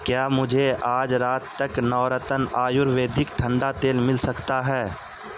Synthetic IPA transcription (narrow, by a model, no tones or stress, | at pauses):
kjaːmʊd͡ʒʱeaːd͡ʒɾaːt̪ːɐknɔːɾət̪ənaːjʊɾʋeːd̪ʱɪkʈʰə̃ɳɖat̪eːlmɪlsɐkt̪aɦɛː